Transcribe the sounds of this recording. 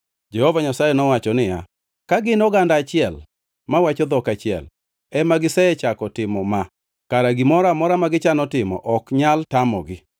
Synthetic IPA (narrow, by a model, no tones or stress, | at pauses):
d͡ʒɛhovaɲasajɛnɔwat͡ʃɔnɪja̰ | kaɡɪnɔɡandaːt͡ʃɪɛl | mawat͡ʃɔd̪ɔkat͡ʃɪɛ̰l | ɛmaɡɪsɛɛt͡ʃakɔtɪmɔma | kaɾaɡɪmɔɾamɔɾamaɡɪt͡ʃanɔtɪmɔ̰ʔɔkɲaltamɔ̰ɡɪ